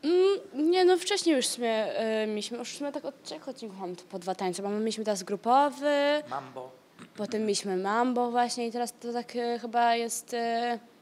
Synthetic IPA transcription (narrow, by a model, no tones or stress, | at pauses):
m̩ɲɛnɔft͡ʂɛɕɲejuʂsumʲɛmʲelʲiɕmɘuʂsumʲɛt̪akɔt̪̚t͡ɕɛkɔt̪̚t͡ɕiŋkufamt̪pɔd̪vat̪aɲsɛmammʲjelʲiɕmɘt̪ɛɾazɡɾupɔvɘb | pɔt̪ɛmːjelʲiɕmɘmambɔvwaɕɲɛit̪ɛɾast̪ɔt̪akxɘbajɛst̪